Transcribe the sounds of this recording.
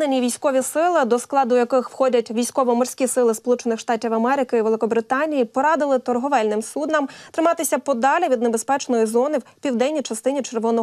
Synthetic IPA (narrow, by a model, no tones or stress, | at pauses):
nenʲiʋʲijsʲkɔʋʲisɪlˠɪd̪ɔsklˠɑd̪ʊjɐkɪxwxɔdʲɐtʲʋʲijsʲkɔʋɔmɔrsʲkʲisɪlˠɪspɔlˠut͡ʃenɪxʃt̪ɑtʲiwɐmɛɾɪkɪiʋelˠɪkɔbɾɪt̪ɑnʲijipɔɾɑd̪ɪlˠɪt̪ɔrɦɔʋɛlʲnɪmsud̪nɐmt̪ɾɪmɑt̪ɪsʲɐpɔd̪ɑlʲiʋʲid̪nebespɛt͡ʃnɔjizɔnɪwpʲiwd̪ɛnʲːit͡ʃɐst̪ɪnʲit͡ʃerʋɔnɔ